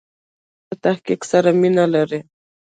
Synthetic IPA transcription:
at̪ahkɪksaɾamɪnalaɾe

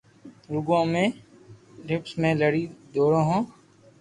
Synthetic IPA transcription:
ɾʊɡõːmẽː | ɾɪpsmẽːləɽiːd̪oːɽõːɦõː

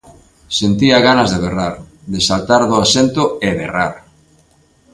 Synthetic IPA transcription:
sent̪iaɣanazðeβeraɾ | ðesalt̪aɾðoasent̪oʊeβeraɾ

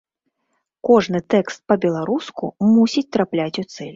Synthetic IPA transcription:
kɔʐnɨt̪ɛkst̪̚pɐbʲɛlˠaɾuskṵmusʲit͡sʲt̪ɾaplʲat͡sʲut̪sɛlʲ

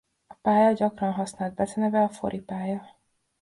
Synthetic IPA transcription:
ɒpaːjɒɟɒkrɒnɦɒsnaːld̪̚bɛzɛnɛvɛɒfo̰ɾʔipaːjɒ

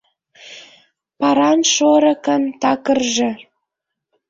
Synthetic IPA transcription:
pɑɾɑnʃoɾə̆kə̆nt̪ɑkərʒĕ

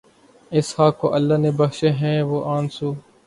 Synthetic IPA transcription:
ɪshaːkːo̰ːʔəlːaːneːbəxʃeːɦɛ̃ːʋoːʔaːnsuː

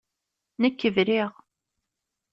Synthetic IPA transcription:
nəkːəvɾiʁ

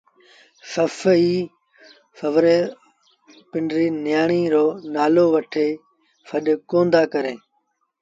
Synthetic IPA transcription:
səfiː | fəʋɾeː | pɪɳɖɾiːnjaːɳiːɾoːnaːloːʋəʈʰeː | fəɗkõːnd̪aːkəɾẽː

